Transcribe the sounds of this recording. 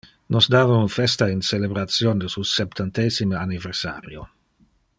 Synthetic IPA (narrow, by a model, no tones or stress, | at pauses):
nʔosd̪aːvaunfɛst̪ainselebɾat̪sjond̪əsusɛp̚t̪ant̪eːsiməaniversa̰ːɾjo̰